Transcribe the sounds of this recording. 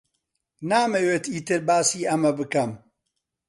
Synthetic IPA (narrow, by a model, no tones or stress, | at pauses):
naːmeweːt̪iːt̪ɨɾbaːsiːɐmɐbɨkɐm